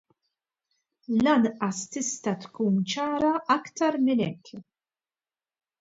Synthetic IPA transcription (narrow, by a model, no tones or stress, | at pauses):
lɐnʔɐst̪ɪst̪ɐt̪kuːnt͡ʃɐːɾɐʔɐkt̪ɐɾmɪnɛ̰kː